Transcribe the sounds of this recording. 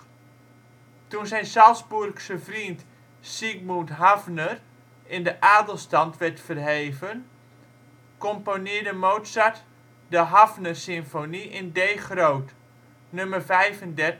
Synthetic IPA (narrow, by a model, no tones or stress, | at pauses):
tunsɛjnsalˠsburksəvrint | siɡ̚mutɦavnər | ɪndəʔaːdəlˠstɑntʋɛrtfərɦeːvən | kɔmponɪːɹdəmoːwtsat | dəɦavnərsɪmfoniʔɪndeːχrowt | nømərvɛjvəndɛrt